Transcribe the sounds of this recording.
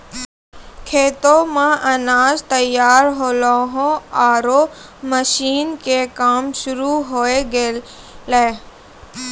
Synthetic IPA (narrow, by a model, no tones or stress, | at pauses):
kʰeːt̪omãʔɐnaːzt̪əjaːɾɦoːloːɦõaːɾo | məʃiːnkekaːmʃʊɾuɦoːeɡe | leː